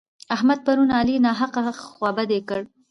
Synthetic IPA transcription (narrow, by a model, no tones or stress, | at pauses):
ahmad̪̚paɾunɑlinɑɦaqawɑbad̪ekəɽ